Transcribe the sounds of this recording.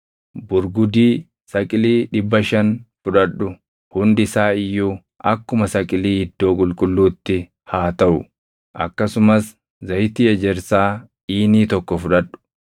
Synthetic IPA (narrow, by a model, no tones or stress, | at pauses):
bʊɾɡʊd̪iː | sɐkʼɪliːᶑɪbːɐʃɐnfʊᶑɐᶑːʊ | hʊnd̪ɪsaːɪjːuː | ɐkːʊmɐsɐkʼɪliːhɪd̪ːo̞ːkʼʊlkʼʊlːuːt̪ːɪ | haːt̪ɐʔʊ̰ | ʔɐ̰kːɐsʊmɐs | zɐjt̪iːɛd͡ʒɛɾsaː | iːniːt̪ɔkːɔfʊᶑɐᶑʊ̥